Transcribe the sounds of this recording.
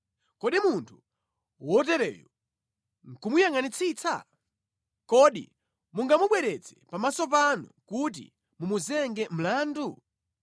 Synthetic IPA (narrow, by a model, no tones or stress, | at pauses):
kɔɗimuntʰu̥ | wɔt̬ɛɾɛ̰ːjɔ | ŋ̩kumujaŋanit͡sʰit͡sʰa̰ | kɔɗḭ | muŋɡamuɓwɛɾɛt͡sɛ̥pamasɔp̬anukut̬ḭ | mumuzɛŋɡɛm̩laːndu